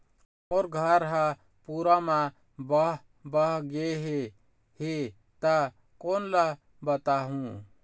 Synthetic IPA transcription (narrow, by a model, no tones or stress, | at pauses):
moɾɡʱəɾɦa | puɾama | bəɦ | bəɦɡeɦe | he | t̪a | konlə | bət̪aɦũ